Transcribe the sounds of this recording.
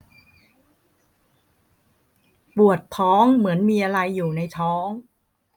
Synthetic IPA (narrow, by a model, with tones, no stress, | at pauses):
pu˨˩ət̪̚ʰɔː˦˥ŋmɯ˩˦ənmiː˧ʔa˧ɾa˧jːuː˨˩na˧jt̪ʰɔː˦˥ŋ